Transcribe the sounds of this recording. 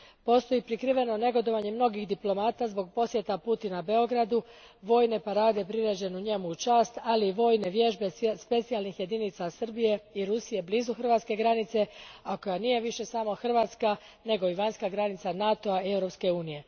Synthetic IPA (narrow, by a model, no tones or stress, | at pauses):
po̞st̪o̞jipɾikɾiːʋe̞no̞ne̞ɡo̞d̪o̞ʋaɲemno̞ɡixd̪iplo̞maːt̪azbo̞ɡ̚po̞sje̞t̪aput̪inabeo̞ɡɾad̪u | ʋo̞ːjne̞paɾaːd̪epɾiɾed͡ʑe̞nuuɲe̞muut͡ʃaːst̪aliːʋo̞ːjne̞ʋjeʒbe̞spe̞t̪sialˠnixje̞d̪init̪sasr̩bije̞iɾusije̞bliːzuxr̩ʋat̪ske̞ɡɾanit̪se̞ako̞janije̞ʋiʃe̞samo̞xr̩ʋaːt̪ska | ne̞ɡo̞iʋaɲskaɡɾanit̪sanat̪o̞ae̞wɾo̞pske̞uːnije̞